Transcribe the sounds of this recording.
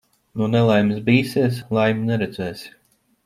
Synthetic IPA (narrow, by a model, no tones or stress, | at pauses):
nunɛlˠajmisbʲiːsiɛslˠajmʲinɛɾɛd̪zɛːs